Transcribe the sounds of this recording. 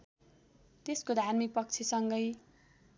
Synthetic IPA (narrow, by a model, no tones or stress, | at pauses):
t̪eskod̪ʱarmik̚pʌk̚t͡sʰesʌŋɡʌj